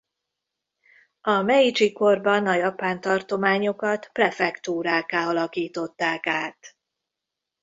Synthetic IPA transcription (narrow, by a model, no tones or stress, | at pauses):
ɒmɛit͡ʃiko̞rbɒnɒjɒpaːnt̪ɒrt̪o̞maːɲo̞kɒt̪prɛfɛkt̪uːɾaːkaːɒlɒkiːt̪o̞t̪ːaːkaːt̪